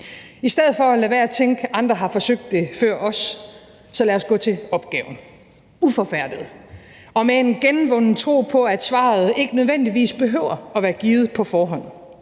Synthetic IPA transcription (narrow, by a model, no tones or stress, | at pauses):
isd̥eð̞̰̩ˠfɒ̽ælæʋæːɐt͡sʰeŋɡ̥ʔɑ̈nd̥ʁɐɦɑ̈fɒ̽søɡ̥̚d̥e̝fɶɐ̰ʔɒ̽sː | ɒ̽læɐsɡ̥ɔ̰̽ːt͡sʰe̝ɒ̽b̥̚ɡ̥ɛ̰ːʊn̩ | ufɒ̽fæɐ̰d̥ið̩ˠ | ɒ̽mee̝nɡ̥enn̩ʋɔn̩t͡sʰʁo̝̰ːpʰɒ̽æd̥sʋɑ̰̈ð̩ˠe̝ɡ̥ənøð̞ˠʋen̰d̥iʋḭːsb̥e̝ɦø̰ʊɐɒ̽ʋæːɐɡ̥iːð̞̩ˠpʰɒ̽fɒːɦɒ̽n̰